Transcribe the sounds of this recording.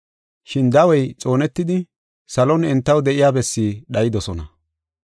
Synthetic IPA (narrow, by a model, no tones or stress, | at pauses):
ʃɪnd̪ɐwɔjt͡sʼo̞ːnɛt̪ːɪd̪ɪ | sɐlɔnɛnt̪ːɐwd̪ɛʔɪjaːbɛsːiːɗɐjɪd̪ɔsɔnɐ